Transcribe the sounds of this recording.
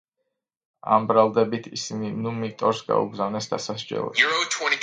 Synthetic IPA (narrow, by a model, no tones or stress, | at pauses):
ambɾalˠd̪ɛbit̪ʰisininumit̪ʼɔɾsɡa̰ṵɡzavnɛsd̪asasd͡ʒɛ̰lˠɔ̰ot̪ʰwɛ̃ni